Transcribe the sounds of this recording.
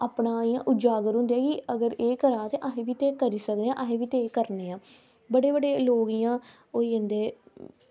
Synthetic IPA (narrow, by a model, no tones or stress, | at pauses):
aːpɳãːiːjãːʔʊd͡ʒaːɡəɾɦʊ̃nd̪eaːkɪəɡəɾeːkəɾãːt̪eːʔaːɦẽːʋiːt̪eːkəɾiːsəkd̪eːãːʔaɦẽːʋiːt̪eːkəɾneːãː | bəɽeːbəɖeːloːɡijãː | oːiːɦə̃nd̪eː